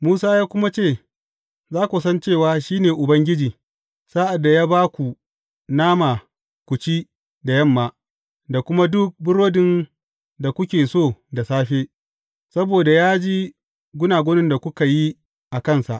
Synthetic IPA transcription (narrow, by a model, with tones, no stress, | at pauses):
muː˦saː˦jaː˦kʷʊ˦ma˦t͡ʃeː˦˨ | zaː˦kʷu˨sɐ˦nt͡ʃeː˦˨waː˨ʃiː˦neː˨ʔʊ˨bɐ˦ŋɡʲɪ˦d͡ʒiː˨ | saː˦ʔa˨dːa˨jaː˦baː˦kʷu˨ | naː˦ma˨ | kʷʊ˨t͡ʃi˦ | da˨jɐ˦˨mːaː˨ | da˨kʷʊ˦ma˦dʊ˦k̚bʊ˦ɾoː˦dɪ˦n | da˨kʷʊ˦kʲeː˨soː˦˨da˨saː˦ɸeː˦ | sɐ˦boː˨da˨jaː˦d͡ʒi˦ | ɡʷʊ˦naː˨ɡʷo˦nɪ˦nda˨kʷʊ˦ka˨ji˦ | ʔa˨kɐ˦nsa˨ʔ